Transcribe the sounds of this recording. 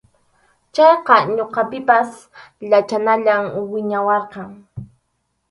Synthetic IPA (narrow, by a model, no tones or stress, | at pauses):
t͡ʃɑjqɑɲoqɑpɪpas | ʎat͡ʃanaʎamwɪɲawɑɾqɑŋ